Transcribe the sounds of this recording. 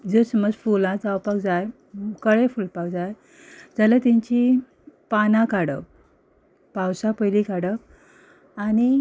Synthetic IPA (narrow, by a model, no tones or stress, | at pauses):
d͡zəsəməd͡zfulãd͡zawpakd͡zaj | kəɭefulpak̚d͡zaj | d͡zalat̪ĩɲt͡ɕi | panãkaɽək̚ | pawsapəjlikaɽək | añi